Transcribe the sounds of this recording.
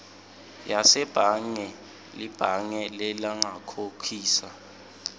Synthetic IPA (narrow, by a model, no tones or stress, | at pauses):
jasɛb̥ʱaŋɛ | lib̥ʱaŋɛlɛlaŋakʰokʰiːsa